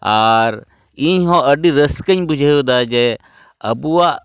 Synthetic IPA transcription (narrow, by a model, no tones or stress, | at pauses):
aɾ | iɲɦɔ̃əɖiɾəskəɲbud͡ʒʱajud̪ad͡ʒɛ | əbuaʔ